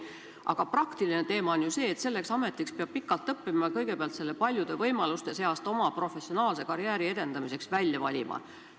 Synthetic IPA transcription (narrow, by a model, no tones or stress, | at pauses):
ʔɑ̰ɡ̥ɑprɑkt̪iline̞t̪e̞ːmɑonjuse̞ːt̪se̞lːe̞ksɑme̞t̪ːˑikspeɑb̥̚pikːˑɑlt̪ːɤpːimɑkɤjɡ̥e̞peɑlt̪se̞lːe̞pɑlʲjud̪e̞vɤjmɑlust̪e̞se̞ɑst̪o̞mɑpro̞fe̞sːo̞nɑːlse̞kɑɾjæːɾie̞d̪̥e̞nd̪̥ɑmise̞ksvælʲjɑvɑlʲḭmʔɑ̰